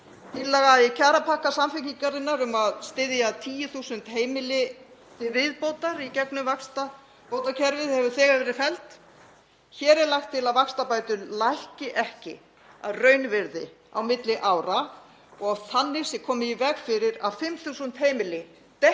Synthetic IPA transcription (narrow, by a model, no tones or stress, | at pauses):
t̪ɪlaɣaɪcʰaːɾapʰahkasamfɪkniŋkaɾɪnːaɾʏmaðst̪ɪðjat̪ʰiːjʏθuːsʏnt̪heːjmɪlɪ | t̪ɪvɪðpoːwt̪aɾicɛknʏmvakst̪a | powt̪acʰɛɾvɪðhɛvʏ̥θɛːɣaɾvɛːɾɪfɛlt̪ | çɛːɾɛɾlaxt̪ʰːɪlaðvakst̪apaːjt̪ʏlajhcɪʔɛhcɪ̰ | a̰ðrœːɥnvɪɾðɪ̰ | awmɪt̪lɪʔaːwɾa | ɔɣawθanːɪ̥sɪkʰɔːmɪivɛɣfɪɾɪɾaðfɪmθuːsʏnt̪heːjmɪlɪ | t̪ɛ